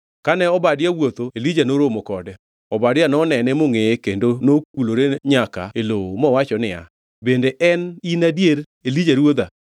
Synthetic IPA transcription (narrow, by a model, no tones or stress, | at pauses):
kanɛɔbadɪawot̪oelid͡ʒanoɾomokɔdɛ | ɔbadɪanɔnɛnɛmoŋekendonok̚uloɾeɲaka̰elowomɔwat͡ʃɔnɪa̰ | bendeʔɛninadjeɾ | elid͡ʒaɾwod̪a